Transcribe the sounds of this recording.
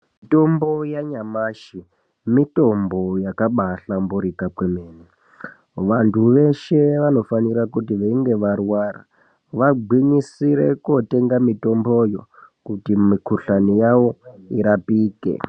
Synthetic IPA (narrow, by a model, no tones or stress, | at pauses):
mito̞mbo̞jaɲamaːʃi | mito̞mbo̞jakaɓaɬambuɾikakwemeːni | ʋantʰuʋe̞ʃe̞ʋano̞faniɾakutiʋeiŋɡe̞ʋarwara̰ | ʋaɡ͡bwiɲisiɾe̞kote̞ŋɡamito̞mbojo̞̰kutimikuɬanijaʋo̞iɾapiːkḛ